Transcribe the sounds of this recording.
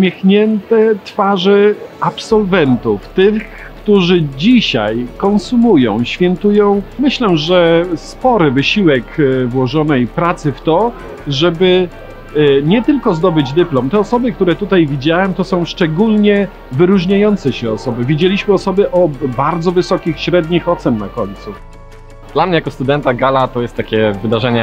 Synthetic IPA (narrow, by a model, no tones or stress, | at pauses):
mʲjɛxɲɛnt̪ɛt̪faʐɛapsɔlvɛnt̪uft̪ɘxx | kt̪uʐɘd͡ʑiɕa̰jkɔ̃nsumujɔ̰̃w̃ɕfʲjɛnt̪ujɔ̃w̃mɘɕlɛʐɛspɔɾɘvɘɕiwɛkvwɔʐɔnɛjpɾat̪sɘft̪ɔ | ʐɛbɘ | ɲɛt̪ɘlkɔzd̪ɔbɘd͡ʑd̪ɘplɔmt̪ɛɔsɔbɘkt̪uɾɛt̪ut̪ajvʲid͡ʑawɛmt̪ɔsɔ̃w̃ʂt͡ʂɛɡulɲɛ | vɘɾuʐɲajɔnt̪sɛɕɛɔsɔbɘvʲjed͡ʑelʲiɕmɘɔsɔbɘʔɔbaɾd̪zɔvɘsɔkʲixɕɾɛd̪ɲixɔt̪sɛnːakɔɲʲt̪su | d̪̥lamɲɛjakɔst̪ud̪ɛnt̪aɡalat̪ɔjɛst̪ːakʲɛvɘd̪aʐɛɲɛ